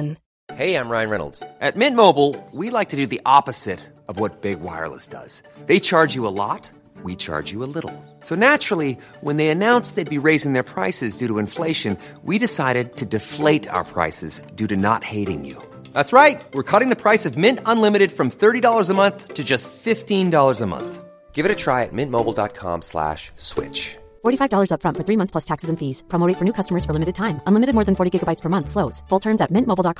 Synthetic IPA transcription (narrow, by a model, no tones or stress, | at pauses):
heɪãɪ̃mɹãɪ̃nɹɛ̰nl̩ˠdz̥ʔɨt̚mɪ̃nmoʊbl̩ˠwilaɪk̚tʰɨdɨðiʔɑpɨz̥ɪɾ | ʌvwʌt̚b̥ɪɡ̚wa̰ɪə̰˞lˠə̰sd̥ʌ̰z̥ | ðeɪt͡ʃʰɑɹd͡ʒjɨəlɔ̰t̚ | wit͡ʃʰɑ̰ɹd͡ʒɨəlɪɾl̩ˠ | soʊnæt͡ʃɹ̥l̩ˠi | wə̃nðeɪɨnãʊ̃nsðeɪd̚biɹeɪzɪ̃ŋðə˞pʰɹ̥aɪsɨzdʉɾəɨ̃ɱfleɪʃɨ̃n | wiɾɨsaɪɾɨd̚tʰɨdɨfleɪɾa̰ʊə̰˞pʰɹ̥a̰ɪsɨ̰zdʉɾɨnə̰t̚heɪɾɪ̰̃ŋjʉ̰ | ðætsɹaɪt̚wɨɹkʰʌɾɪ̃ŋðɨpʰɹ̥aɪsʌvmɪ̃ntə̃nlɪ̃mɨɾɨd̥fɹʌ̃mθɜ˞ɾidɔlˠə˞zəmʌ̃nθtʰɨd͡ʒʌstfɪftĩndɔlˠə˞zəmʌ̰̃nθ | ɡ̥ɪvɨɾɨtʰɹ̥aɪɨ̰t̚mɪ̃nmoʊbl̩ˠdɑ̰t̚kʰɑ̰̃mslæ̰ʃswɪ̰t͡ʃ | fɔɹɾifaɪvdɔlˠə˞zʌpfɹʌ̃nfə˞θɹimʌ̃nθspʰlʌstʰæksɨzɨ̃ɱfiz̥pʰɹ̥ɑmoʊɾifə˞nʉkʰʌstəmə˞z̥fə˞lɪ̃mɨɾɨd̚tʰãɪ̃mə̃nlɪmɨɾɨd̚mɔɹðɨ̃nfɔɹɾiɡɪɡəbaɪtspʰə˞mʌ̃nθsloʊz̥fʊlˠtʰɜ̃˞mzɨt̚mɪ̃nmoʊbl̩ˠdɑt̚kʰ